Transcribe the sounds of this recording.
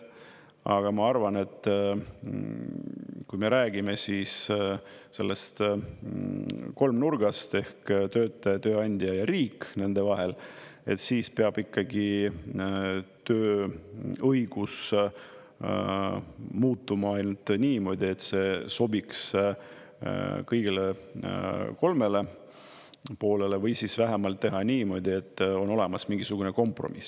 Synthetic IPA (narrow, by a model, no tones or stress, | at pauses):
ɑ̰ɡ̥ɑmɑɑrvɑne̞t̪ːˑ | kujme̞ɾæːɡ̥ime̞siːs | se̞lːest̪ | ko̞lmnurɡ̥ɑst̪e̞hkt̪øːt̪ːˑɑjɑt̪øːɑnʲd̪̥ʲiɑjɑɾiːkːne̞nd̪̥e̞vɑɦe̞le̞t̪siːspeɑb̥ikːɑɡi | t̪øː | ɤjɡ̥us | muːt̪ˑːumɑɑjnult̪niːmo̞ːd̪̥ʲie̞t̪se̞so̞biks | kɤjɡ̥ile | ko̞lmele̞ | po̞ːle̞le̞vɤjsisvæɦemɑlt̪ːe̞ɦɑniːmo̞d̪̥ʲie̞t̪ːˑo̞no̞le̞mɑsmiŋɡ̥isuɡ̥une̞ko̞mpro̞̰mis